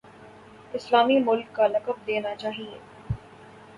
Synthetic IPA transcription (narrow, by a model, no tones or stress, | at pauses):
ɪslaːmimʊlkːalɐkəb̚d̪eːnat͡ʃaːɦiḛː